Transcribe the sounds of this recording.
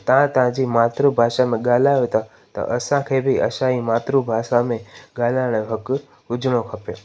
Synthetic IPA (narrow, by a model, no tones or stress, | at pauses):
t̪ɐʋ̤ãt̪ɐʋãd͡ʑimaːt̪ɾubʱaːʃamẽɠaːl̤aːjot̪ʰa | t̪ɐ̰ʔɐsãkʰeːbʱɪɐ̰ʃaimaːt̪ɾubʱaːʃamẽɠaːlaːɪɽ̃ɦɐk | ʊd͡ʑɽ̃okʰɐpijo